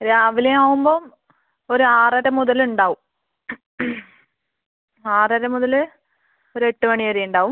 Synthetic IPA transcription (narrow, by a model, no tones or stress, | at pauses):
ɾaːʋileaːʋumbo̞ːm | oɾuaːrɐɾɐmuðɐluɳɖaːʋum | aːrɐɾɐmuðɐlɨ | oɾue̞ʈːɨmɐɳiʋɐɾejuɳɖaːʋum